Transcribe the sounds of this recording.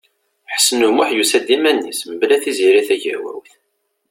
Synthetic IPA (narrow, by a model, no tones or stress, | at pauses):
ħə̥sːənumuħjusæd̪imænːḭsməblæθiziɾiθæʝæ̰wæ̰wθ